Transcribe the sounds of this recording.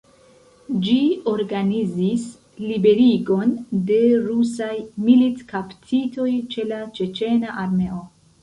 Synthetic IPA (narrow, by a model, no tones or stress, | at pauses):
d͡ʒio̞ɾɡanizis | libe̞ɾiɡo̞nde̞ɾusajmilitkaptʰito̞jt͡ʃe̞lat͡ʃe̞t͡ʃe̞naʔaɾme̞o̞